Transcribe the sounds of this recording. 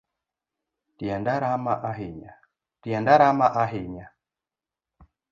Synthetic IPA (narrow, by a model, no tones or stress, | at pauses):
tiandaɾamaʔaɦiɲa | tiandaɾamaʔaɦiɲa